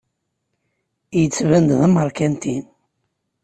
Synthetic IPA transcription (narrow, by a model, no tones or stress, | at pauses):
jət͡sːvænd̪ðəmːəɾˤkænt̪in